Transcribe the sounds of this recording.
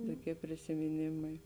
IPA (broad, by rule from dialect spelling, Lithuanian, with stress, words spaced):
toːˈkʲiɛ pʲrʲɪsʲɪmʲɪˈnʲeːmɐɪ